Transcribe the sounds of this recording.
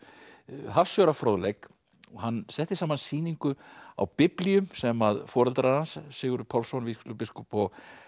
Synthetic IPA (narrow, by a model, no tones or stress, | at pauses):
ɦafsjœːɾafɾoːwðlejk | ɔɦanːsɛht̪ɪsaːmansiːniŋkʏa̰wpɪpliʏmsɛmaðfɔːɾɛlt̪aɾaɾhansːɪːɣʏɾpʰawlsɔnviskʏ̥lʏpɪskɔpɔɣ